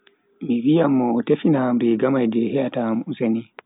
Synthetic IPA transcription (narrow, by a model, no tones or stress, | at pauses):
miwijamːɔtefinabɛɡamajdɛhɛjatamuseni